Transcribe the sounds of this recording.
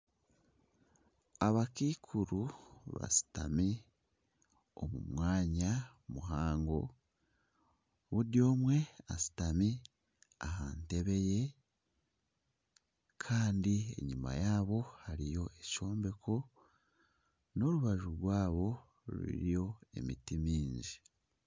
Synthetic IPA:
aβakiːkʰuɾuβa̰si̥tami | o̰mṵmwaːɲa | muɦaːŋɡo̞ | βudjo̞ːmwe̞asi̥tami | ahaːnteβe̞je̞ | kʰaːndie̞̰ɲuma̰jaːβo̞haɾijo̞ʔe̞ʃo̞ːmbe̞kʰo̞ | no̞ɾuβaʒuɾɡwaːβo̞ | ɾḭɾijo̞e̞̰mitimiːɲɟi

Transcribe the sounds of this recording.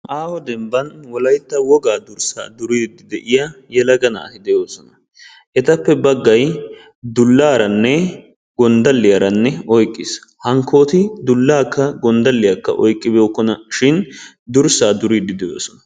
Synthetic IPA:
ʔaːwɔd̪ɛmbɐnwɔlɐjt̪ːɐwɔɡaːd̪ʊɾsa̰ːd̪ʊɾid̪ɪd̪ɛʔɪjajɛlɐɡɐnɐ̰ːt̪ɪd̪ɛjo̞ːsɔnɐ | ʔɛt̪ɐpːɛbɐɡːɐj | d̪ʊlːaːɾɐnːɛ | ɡɔnd̪ɐlːɪjaɾɐnːɛɔjkʼːɪshɐŋkʰːoːt̪ɪd̪ʊlːaːkːɐɡɔnd̪ɐlːɪjɐkːɐ̰ʔɔjkʼːɪboːkːɔnɐʃɪn | d̪ʊɾsaːd̪ʊɾiːd̪ɪd̪ɛjo̰ːsɔnɐ

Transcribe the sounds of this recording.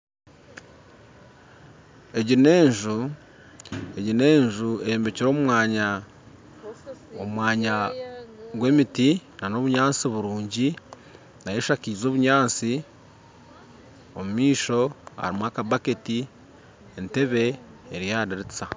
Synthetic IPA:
e̞ɟine̞ːɲʒu | e̞ɟine̞ːɲʒue̞joːmbe̞ciɾo̞ːmumwaːɲa | o̰mmwaːɲa | ɡwe̞ːmitinano̞βuɲaːnt͡siβuɾuːɲɟi | najeʃakiːzo̞ːβuɲaːnt͡si | o̰mumiːʃo̞a̰ɾimwakaβaketi | ente̞βe̞ː | ɾijaːdiɾit͡sa

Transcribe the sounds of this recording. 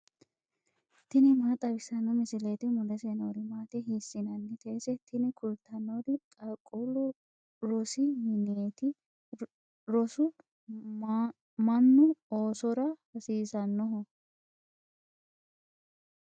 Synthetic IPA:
t̪ɪnɪmaːt̪ʼɐbɪsɐnːɔmɪsɪleːt̪ɪmʊlɛsenoːd̪ɪmaːt̪ɛɦiːsːɪnɐnːɛt̪ʰeːsɛt̪ʰɪnɪkʰʊlt̪ʰːɐnoːd̪ɪkʼɐkʼːulɔ | ɾɔsɪmɪnet̪ɪ | ɾɔsʊ | mɐnːʊoːsɔɾɐhɐsiːsɐnːɔɦɔ

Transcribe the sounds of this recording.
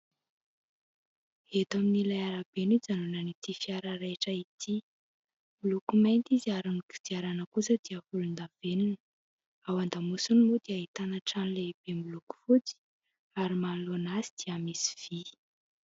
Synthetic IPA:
et̪aminilajaɾabenid͡zanunanit̪ifiaɾaɾaʈ͡ʂəit̪ʰi | mulukumajnt̪iziaɾuniki̥d̪iaɾanəkusəd̪iəfulund̪av̥eninə̥ | awand̪amusunmud̪iaɦit̪anaʈ͡ʂanleb̥embuluku̥fut͡si̥ | aɾimalonazi̥d̪̥iəmisi̥v̥i

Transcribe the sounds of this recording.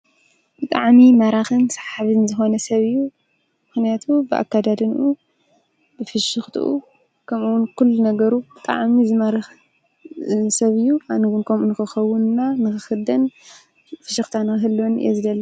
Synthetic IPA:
b̥ɨt̪ʼa̰ʕmimɐɾaxɨnsḁħaβɨnzɨxo̞nɐsɐβɨjːu | mɨxnijat̪ʰubɨʔa̰kːad̪ad̪ɨnʔu | bɨfɨʃɨxt̪ʰʔṵ | kʰɐmʔuwʊnkʰulːunɐɡɐɾubɨt̪ʼa̰ʕmizɨmaɾx | sɐβɨjːuanɨwunkʰɐmunɨxɨxɐwʊnnanɨxɨxɨd̪ɐn | fɨʃɨxt̪ʰanɨxɨɦɨlːonɨ̰jezɨdɐlːɐ

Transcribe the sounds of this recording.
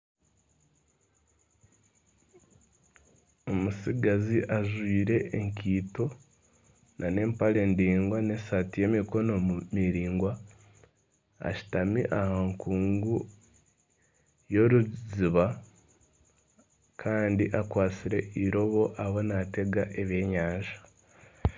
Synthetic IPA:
o̞musiɡaziʔaʒwiːɾe̞ʔːŋkiːto̞ | nʔane̞ːmpale̞ːndiːŋɡwaneːsatije̞ːmiko̞no̞mumiɾiːŋɡwa | a̰ʃi̥tamiʔahaŋkuːŋɡu | jo̞ɾuziβa | kʰaːndiʔakwaːt͡siɾe̞iɾo̞βo̞ʔaβo̞nate̞ɡaʔeβeːɲaːɲʒḁ

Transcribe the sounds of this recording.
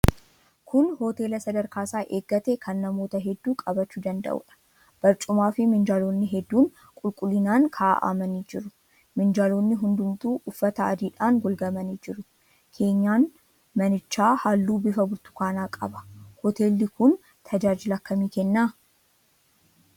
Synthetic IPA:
kʰʊnhɔːt̪e̞ːlɐsɐd̪ɐɾkaːsaːʔeːɡːɐt̪ekʰɐnːɐmo̞ːt̪ɐɦɛd̪ːuːkʼɐbɐt͡ʃːuːd̪ɐnd̪ɐ̰ʔṵːᶑɐ̥ | b̥ɐɾt͡ʃʼʊmaːfɪmɪnd͡ʒaːloːnːɪɦɛd̪ːuːŋ | kʼʊlkʼʊlːɪnaːŋkʰaʔa̰ʔa̰ːmɐniːd͡ʒɪɾʊ | mɪnd͡ʒaːloːnːɪɦʊnd̪ʊmt̪uːʔʊfːɐt̪ɐɐ̰d̪iːᶑaːŋɡɔlɡɐmɐniːd͡ʒɪɾʊ | kʰe̞ːɲːaːn | mɐnɪt͡ʃːaːhaːlːuːbɪfɐbʊɾt̪ʊ̥kaːnaːkʼɐ̰bɐ̥hɔt̪e̞ːlːɪkʊn | t̪ʰɐd͡ʒaːd͡ʒɪlɐkːɐmiːkɛnːaː

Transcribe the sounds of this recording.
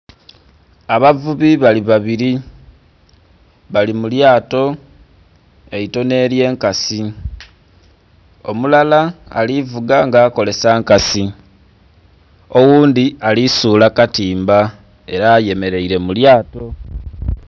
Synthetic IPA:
aβavuβiβaliβaβiɾi | βalimuljaːto̞ | e̞ito̞ne̞ːlje̞ːŋkasi | o̞mulala̰ːlivuɡaŋɡaːko̞le̞saːŋkasi | o̞wuːndialisuːlakatiːmba | e̞ɾaːje̞me̞ɾe̞iɾe̞muljaːto̞

